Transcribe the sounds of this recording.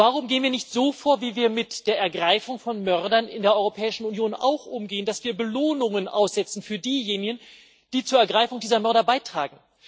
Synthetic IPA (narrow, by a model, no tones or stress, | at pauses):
vaːʁʊmɡeːənviːɐnɪçtz̥oːfoːɐviːviːɐmɪtd̥eːɐʔɛɐɡʁaɪfʊŋfɔnmœʁdɐnɪ̰ndeːɐʔɔʏʁopʰɛːɪʃn̩unjoːna̰ʊxʔʊmɡeːənd̥asv̥iːɐbəloːnʊŋənʔa̰ʊsz̥ɛt͡sn̩fyːɐdiːjeːnɪɡən | d̥iːt͡suːɐɛɐɡʁaɪfʊŋdiːzɐmœɐɾɐbaɪtʁ̥a̰ːɡŋ̩